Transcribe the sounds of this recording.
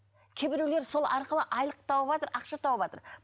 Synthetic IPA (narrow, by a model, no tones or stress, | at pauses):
kʲʰebɪɾewle̞ɾso̞lˠʔɑɾqəlˠəʔɑjlˠəq̚t̪ʰɑwəβɑt̪əɾɑqʃɑt̪ʰɑwəbɑt̪ə̰ɾ